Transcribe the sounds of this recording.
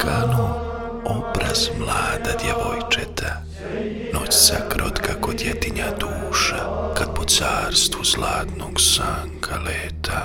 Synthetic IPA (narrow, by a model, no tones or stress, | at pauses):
kʰano | obɾaz̥mlaːd̪ad̪jeʋojt͡ʃet̪ʰa | not͡ɕsakɾʔot̪kako̞d̪jet̪iɲad̪uːʃakad̪̚pot̪saːɾst̪ʋuzlaːt̪noɡsaːŋkʰaleːt̪ʰa